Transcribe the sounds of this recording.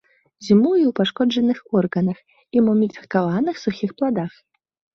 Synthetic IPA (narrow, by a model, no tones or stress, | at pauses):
zʲimujiwpaʂkɔd͡ʐɐnɨxɔrɣɐnɐx | imɔmʲit̪ɐkavanɨxsuxʲixplˠad̪ax